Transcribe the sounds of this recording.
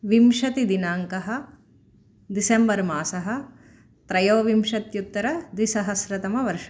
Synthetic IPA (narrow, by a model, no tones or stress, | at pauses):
ʋimʃɐt̪id̪inaːŋkɐɦɐ̆ | d̪isembɐɾmaːsɐɦɐ̆ | t̪ɾɐjoːʋimʃɐt̪jut̪ːɐɾɐd̪isɐɦɐsɾɐt̪ɐmɐʋɐɾʂɐ